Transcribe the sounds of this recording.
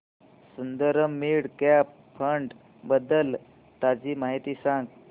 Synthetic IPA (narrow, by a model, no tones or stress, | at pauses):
sund̪əɾəmːiɽkap | fʰəɳɖ | bəd̪əl | t̪ad͡ʑiːmaɦit̪iːsãŋɡ